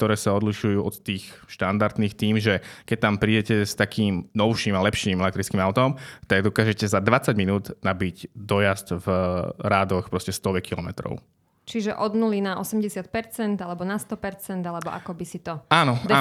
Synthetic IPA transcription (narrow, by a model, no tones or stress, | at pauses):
kt̪ɔɾɛːsaɔd̪liʃujuːɔt̪t̪ːiːxʃt̪and̪aɾd̪niːxt̪iːmʒɛkɛc̚t̪ampɾiːɟɛcɛst̪akiːmnɔʊʃiːmalɛpʃiːmɛlɛkt̪ɾit͡skiːmaʊt̪ɔmt̪aɡd̪ɔkaːʒɛcɛzad̪ʋat͡saɟminuːd̪nabiɟd̪ɔjazd̪vɾaːd̪ɔxpɾɔscɛst̪ɔʋɛkilɔmɛ̰t̪ɾɔ̰ʊ | t͡ʃiʒɛʔɔd̪nulinaʔɔsɛmɟɛsɪat̪̚pɛɾt͡sɛnd̪alɛbɔnast̪ɔpɛɾt͡sɛnd̪alɛbɔʔa̰kɔbisit̪ɔaːnɔa